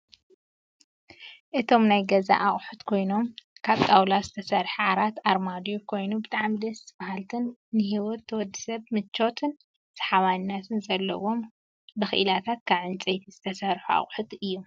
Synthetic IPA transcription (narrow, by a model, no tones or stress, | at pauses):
ʔɨt̪ʰo̞mnajɡɐza̰ʔaχʼħut̪kʰo̞jno̞mkʰaβkʼawlazɨt̪ʰɐsɐɾħʕaɾat̪ʔaɾmad̪jokʰo̞jnubɨt̪ʼaʕmid̪ɐsmahalt̪ʰɨnːɨɦiwɔt̪ʰːɐwɔd̪ːɨsɐβmɨt͡ʃːo̞t̪ʰɨn | sɐ̥ħaβannːat̪ʰɨnzɐlːɐ̰wo̞m | bɨxɨ̰ʔɨlat̪ʰat̪̚kʰaβʕɨnt͡sʼejt̪ʰiz̥ɨt̪ʰɐsɐɾħua̰χʼħut̪ɨjːo